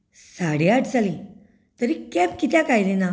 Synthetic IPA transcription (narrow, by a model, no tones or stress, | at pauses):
saɽiaʈʰt͡sali | t̪əɾikɛpkit̪jãkajlena